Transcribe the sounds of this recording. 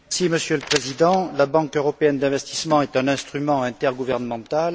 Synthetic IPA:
siməsjøləpχezid̪ɑ̃labɑ̃køʁɔpeɛnd̪ɛ̃vɛst̪i̥smɑ̃ɛt̪ɛ̃nɛ̃st̪χymɑ̃ɛ̃t̪ɛʁɡuvɛʁnəmɑ̃t̪al

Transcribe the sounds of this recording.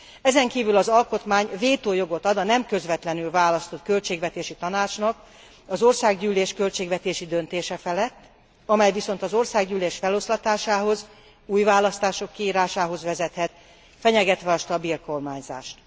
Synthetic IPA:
ɛzɛŋkiːvylɒzɒlko̞t̪maːɲveːt̪oːjo̞ɡo̞t̪ɒd̪ɒnɛmkø̞zvɛt̪lɛnylvaːlɒst̪o̞t̪kø̞lt͡ʃeːɡvɛt̪eːʃit̪ɒnaːt͡ʃnɒk | ɒzo̞rsaːɡɟyːleːʃkø̞lt͡ʃeːɡvɛt̪eːʃid̪ø̞nt̪eːʃɛfɛlɛt̪ː | ɒmɛjviso̞n̪t̪ɒzo̞rsaːɡɟyːleːʃfɛlo̞slɒt̪aːʃaːɦo̞z | uːjvaːlɒst̪aːʃo̞kːiiːɾaːʃaːɦo̞zʋɛzɛt̪hɛt̪ | fɛɲɛɡɛt̪ʋɛɒʃt̪ɒbiːrko̞rmaːɲza̰ːʃt̪

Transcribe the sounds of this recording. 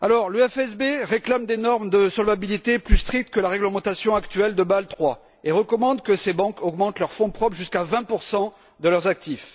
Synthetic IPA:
alɔʁlyɛfɛsbeʁeklamd̪enɔʁmd̪əsɔlvabilit̪eplyst̪χik̚t̪kəlaʁɛɡləmɑ̃t̪asjɔ̃akt̪ɥɛld̪əbalt̪χwa | eʁəkɔmɑ̃d̪kəsebɑ̃kʰɔɡmɑ̃t̪lœʁfɔ̃pχɔpχʒyskavɛ̃puʁsɑ̃ | d̪əlœʁzak̚t̪if

